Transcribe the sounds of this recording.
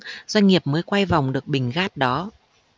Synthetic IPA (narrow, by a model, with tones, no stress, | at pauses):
zwa˧ŋ̟ŋi˨˩əp̚məː˨˦jkwa˧jva˨˩wŋ͡mɗɨ˨˩ək̚ɓï˨˩ŋ̟ɣaː˦˥t̚ɗɔ˨˦